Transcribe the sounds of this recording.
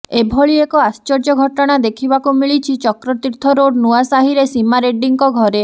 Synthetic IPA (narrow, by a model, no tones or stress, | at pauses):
ebʱɔɭiekɔast͡ʃɔɾd͡ʒɔɡʱɔʈɔɽ̃ad̪ekʰibakumiɭit͡ʃʰit͡ʃɔkɾɔt̪iɾt̪ʰɔɾoɖnuasaɦiɾesimaɾeɖiŋkɔɡʱɔɾe